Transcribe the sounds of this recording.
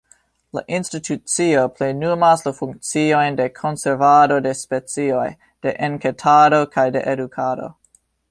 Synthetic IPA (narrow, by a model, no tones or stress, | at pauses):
la̰ʔinstitʰut͡sio̞plejnumaslafuŋk̚t͡sio̞jnde̞kʰo̞nseɾvado̞de̞spe̞t͡sio̞j | d̥e̞ʔenketʰado̞kʰajde̞ʔedukʰado̞̰